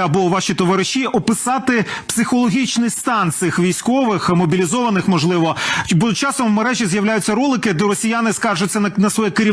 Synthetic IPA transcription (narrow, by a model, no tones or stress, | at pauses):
ɐbɔʋɑʃit̪ɔʋɑɾɪʃiʔɔpɪsɑt̪ɪpsɪxɔlˠɔɦʲit͡ʃnɪjst̪ɑnt̪sɪxʋʲijsʲkɔʋɪxmɔbʲilʲizɔʋɐnɪxmɔʒlˠɪʋɔbʊt͡ʃɑsɔmmeɾɛʒʲizjɐwlʲæjʊt͡sʲːɐɾulˠɪkɪd̪ɛɾɔsʲijanɪskɑrʒʊt͡sʲːɐnɐsʋɔjɛkɪɾʲi